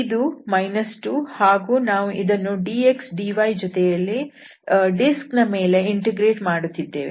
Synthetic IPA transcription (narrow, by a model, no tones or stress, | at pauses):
id̪umɐjnɐsʈuːhaːɡuːnaːʋuʔid̪ɐnːuɖiːeksɖiʋɐjd͡ʒɔt̪ɛjɐlːi | ɖisknɐme̞ːle̞iɳʈeɡɾeːʈmaːɽut̪ːid̪ːe̞ːʋḛ